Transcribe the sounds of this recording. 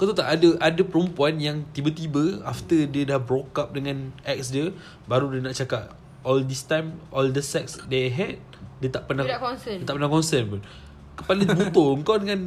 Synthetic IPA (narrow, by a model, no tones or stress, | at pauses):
kawt̪ut̪aʔadəʔadəpəɾəmpuanjaŋt̪ibət̪ibəaft̪ədiədahbɾokap̚dəŋãnʔɛk̚sdiə | baɾudiənaʔt͡ʃakap̚ | ɔldist̪ãjmʔɔldəsɛk̚sdeɦɛd̚dət̪aʔpənaət̪aʔpənakɔnsənbun | kə̥palabut̪oəŋkawdəŋãn